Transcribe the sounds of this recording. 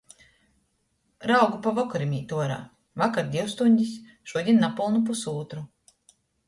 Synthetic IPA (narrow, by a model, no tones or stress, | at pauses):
ɾawɡupavɔkuɾimʲiːt̪uɔɾa̰ː | vakaɾd̪ʲiwst̪unʲd̪ʲis | ʃuɔd̪ʲinːapulˠnupusuːt̪ɾu